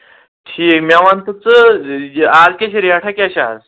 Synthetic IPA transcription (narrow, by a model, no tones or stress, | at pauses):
ʈʰiːkmaʋant̪ət͡sə | ad͡zkʲaɕiɾiɦaʈʰakaɕa̰d͡z